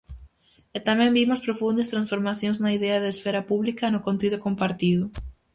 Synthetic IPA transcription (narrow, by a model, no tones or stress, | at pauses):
et̪amɛ̃mbimʊspɾofund̪est̪ɾãnsfoɾmaθjõŋznɐiðɛɐðɪːsfɛɾɐpuβlikɐnʊkõnt̪iðʊkompaɾt̪iðʊ